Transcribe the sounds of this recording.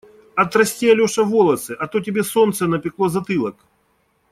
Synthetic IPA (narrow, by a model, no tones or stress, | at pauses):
ɐt̪ɾɐsʲtʲeɐlʲoʂɐvolˠɐsɨʔɐt̪ot̬ʲɪbʲesont̪sənɐpʲɪklˠozɐt̪ɨlˠɐk